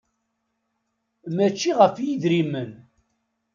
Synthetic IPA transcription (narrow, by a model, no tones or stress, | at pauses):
mæt͡ʃːiʁəfjiðɾimən